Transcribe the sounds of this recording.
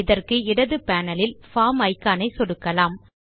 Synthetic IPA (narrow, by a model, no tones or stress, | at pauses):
ɪðɐrkɯɪɽɐðɯpaːnɐlɪlfaːmɐɪkːaːnɐɪsɔɽɯkːɐlaːm